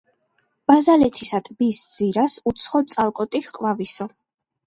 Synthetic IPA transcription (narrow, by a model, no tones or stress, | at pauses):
b̥azalɛt̪ʰisat̪ʼbisd̪z̥iɾasut̪sʰχɔt̪sʼalˠkʼɔt̪ʼiχqʼvavisɔ